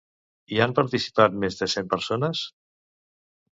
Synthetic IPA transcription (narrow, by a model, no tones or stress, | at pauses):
iampaɾt̪isi̥pat̪̚mezðəsempəɾsonəs